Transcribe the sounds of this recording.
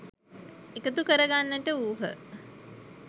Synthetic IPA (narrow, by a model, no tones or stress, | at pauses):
ekət̪ukəɾəɡanːəʈəuːɦə̰